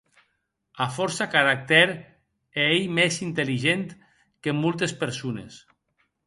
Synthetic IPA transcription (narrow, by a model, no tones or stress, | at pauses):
afɔɾsakaɾak̚t̪ɛɾ | eejmezint̪eliʒent̪ | kemɔlˠt̪espeɾsunḛs